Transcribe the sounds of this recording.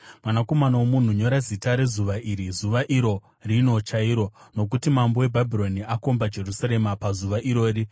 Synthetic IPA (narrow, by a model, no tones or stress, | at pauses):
mwamako̞manaomun̤uɲo̞ɾazitaɾe̞zuʋaʔiɾizuʋaʔiɾo̞ | rino̞t͡ʃaiːɾo̞no̞k̬utimambo̞we̞bʱabʱiro̞niako̞mbad͡ʒe̞rusaɾe̞mapazuʋaʔiɾo̞ːri